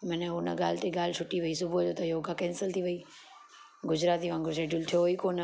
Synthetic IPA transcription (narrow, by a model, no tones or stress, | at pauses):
mɐ̃nəɦʊnə̰ɡaːlɪt̪eɡaːl̤ɪt͡ʃʰʊʈiʋɐisʊbʱuɐd͡ʑoːt̪ɐjoːɡakɛːnsəlt̪ʰiʋɐiː | ɡʊd͡ʑɾaːt̪iʋãːŋɡoʃ̬eːɖʊlt̪ʰijoikoːnə